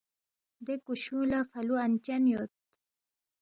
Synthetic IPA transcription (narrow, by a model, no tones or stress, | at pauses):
d̪ekuɕũlafɐluant͡ɕanjot̪̚